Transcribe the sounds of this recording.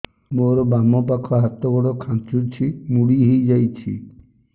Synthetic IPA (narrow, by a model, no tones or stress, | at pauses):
moɾɔbamɔpakʰɔɦat̪ɔɡɔɽɔkʰãt͡ʃut͡ʃʰimuɽiɦejd͡ʒajt͡ʃʰḭ